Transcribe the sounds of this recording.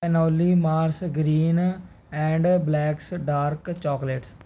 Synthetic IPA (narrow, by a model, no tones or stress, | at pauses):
ɛnoːlimaːɾsɡɾiːn | ɛ̃ːɳɖblɛːksɖaːɾkt͡ʃɔːkleːʈs